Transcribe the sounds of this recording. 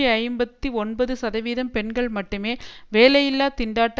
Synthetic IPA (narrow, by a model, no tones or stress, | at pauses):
iɐɪmbɐt̪ːiɔnbɐðɯsɐðɐʋiːðɐmpɛɳɡɐɭmɐʈːɯmeːʋeːlɐjɪlːaːt̪ɪɳɖaːʈː